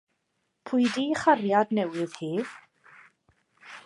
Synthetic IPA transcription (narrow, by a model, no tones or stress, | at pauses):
pʰʊjdiχarjadnɛwɪðhiː